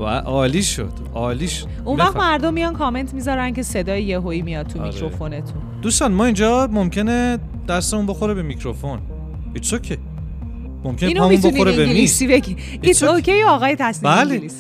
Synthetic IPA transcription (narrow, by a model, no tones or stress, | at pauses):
bæ̰ʔɒːliːʃo̰d̪̥ | ɒːliʃo | ʔunvæxt̪mæɾd̪omːijɒnkʰɒme̞nt̪ʰmizɒɾæncʰe̞se̞d̪ɒːjejeɦoimijɒd̪̚t̪ʰumḭkɾɾofo̞ne̞t̪ʰund̪ust̪ɒnmɒind͡ʒɒːmomcʰene | d̪̥æst̪emunbo̞xoɾebemicʰɾofon | isocʰe | momkʰʲeinomiunbonioɾebemisibeɡi | iocʰejoɒːɣɒːjet̪ʰæsnibælelis